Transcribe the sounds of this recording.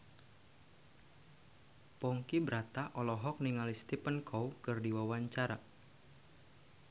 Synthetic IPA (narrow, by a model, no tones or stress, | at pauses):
pɔŋkibəɾat̪aʔɔlɔɦɔk̚niŋalist̪ipənkʰɔwkɨrdiwawaɲt͡ʃaɾa